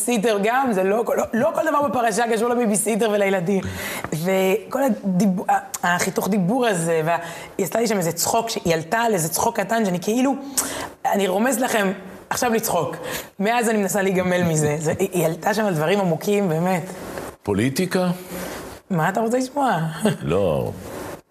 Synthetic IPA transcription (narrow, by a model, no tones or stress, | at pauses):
sideʁɡamzelokololo̞koldavaʁbepaʁaʃaɡaʃ̬ulabibisideʁvelajeladimve̞ko̞lad̪ibuaaχituχd̪ibuʁazevea | jaslaliʃamezet͡sχo̞kʃejaltalezet͡sχo̞kːatanʃeanikeilu | aniʁo̞me̞zlaχe̞m | aχʃavlit͡sχo̞kmeazanimenasaliɡame̞lmize̞zeʔjalt̪aʃamald̪vaʁimamukimbe̞ːme̞tpolit̪ika | maːt̪̬aʁo̞t͡seliʃmoalo̰